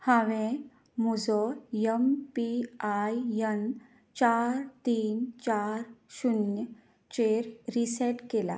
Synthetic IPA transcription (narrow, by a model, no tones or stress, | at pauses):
hãʋẽ | mud͡zɔjəmpiajjən | t͡ɕaɾt̪iːnt͡ɕaɾɕunjə | t͡ɕeɾɾisɛʈkela̰